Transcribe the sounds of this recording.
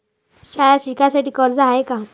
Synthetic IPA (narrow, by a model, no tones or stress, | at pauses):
ɕajaɕikasaʈiːkəɾd͡zaeka